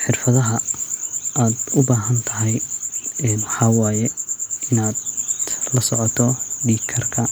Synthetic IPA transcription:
ħɪrfɐðɐɦɐ | aːd̪ʊbaːɦɐnt̪ʰɐɦjɛnwɑħɑːwɑːjɛɪnaːd̪lɐsɔʕɔt̪ʰɔɖiːkʰɐrkʰɐ

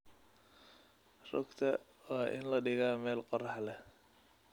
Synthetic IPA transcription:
rɔ̰ɡt̪ʰɐ | waːʔɪ̰nlɐɖɪɣaːmɛːlqɔrɑħlɛ

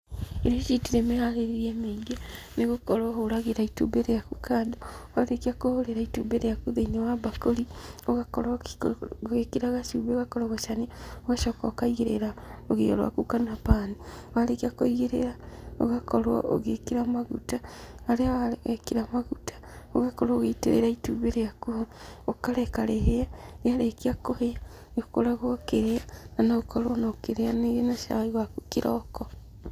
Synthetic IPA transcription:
iɾot͡ʃitiɾemehaleɾiemeɡa | neɣokoɾwoɦoɾaɣeɾaitṵbeɾejakukaːdowalekiakohoɾeɾaitubeɾejakuðeinewabakolioɣakoɾwa | ɣekiɾaɣaʃuβeoɣakoɾaɣaʃaniowaʃokakaiɣeɾḛɾaoɣḛɣḛɾwa̰kukanuapaːniwalekiakoiɣeɾḛɾao̰ɣakɔɾwɔ̰ʔo̰ɣekeɾamaɣutaːɾeawaɣekiɾamaɣutḁ | oɣakɔɾooɣeiteɾḛɾaituβeɾeakuookaɾɛkaɾeɦeaneaɾekiakohea | neokoɾaɣokeɾeananaokɔɾwɔnaokeɾeaneɣenaʃa̰iɣwakukiɾʔɔkɔ

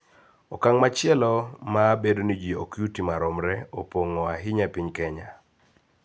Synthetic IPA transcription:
ɔkaŋmat͡ʃɪɛlɔmaːbedonid͡ʒio̰kjutimaɾɔmɾɛopoŋɔaɦɪɲapiɲkɛɲa

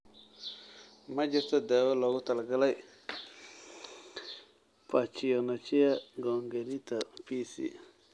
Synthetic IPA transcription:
mad͡ʒetadaweloɡutalɡalaj | pat͡ʃijonat͡ʃijaɡoŋɡeɾitapisḭ

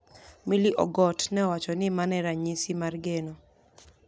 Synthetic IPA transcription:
miliʔɔ̰ɡɔtnɛwat͡ʃɔnɪmanɛɾaɲisimarɡeno

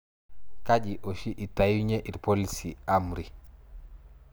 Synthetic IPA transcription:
kaɟiʔɔʃiʔitajuɲɛʔiɾpolisiamɾi

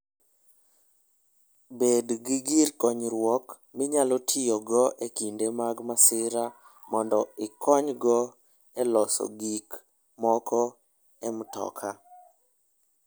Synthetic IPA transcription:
bedɡiɡiɾkɔɲɾwɔk | mɪɲalɔtʰijɔɡɔʔekindemaɡmasɪɾa | mɔndɔɪkɔɲɡɔ | ɛlɔsɔ̰ɡik | mɔkɔ | ɛmtɔ̰kʰa

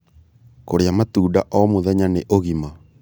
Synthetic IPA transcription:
koɾeamat̪uːdaʔɔmoðɛɲaneʔoɣima

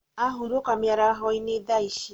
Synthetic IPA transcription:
aɦuɾokamjaɾaɦɔinedaiʃi

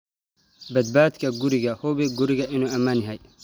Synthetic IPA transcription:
bɐd̪̚baːt̪kɐɡʊɾɪɡɐhɔbɛɡʊɾɪɡɐʔɪnoɐmanɪɦɐj

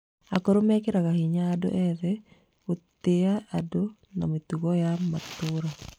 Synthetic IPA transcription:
akoɾomɛkɪɾakahiɲaːdo̰ʔɛðɛ | ot̪eaado | namit̪uɡɔjamːat̪ʊɾa

